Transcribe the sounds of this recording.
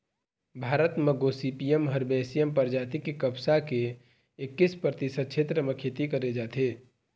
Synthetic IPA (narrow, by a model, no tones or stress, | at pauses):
bʱaːɾət̪meɡosipijemɦəɾbesijempəɾd͡ʒaːt̪ikekəbsake | ɪkːispɾət̪isəd̪̚t͡ʃʰet̪ɾəmekʰeːt̪ikəɾed͡ʒaːt̪ʰe